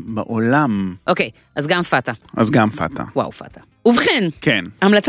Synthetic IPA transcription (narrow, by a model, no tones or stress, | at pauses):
baʔolamʔokej | ʔazɡamfataʔa̰zɡamfa̰tʰa̰wa̰wfa̰ta | uvχenkenhamlat͡s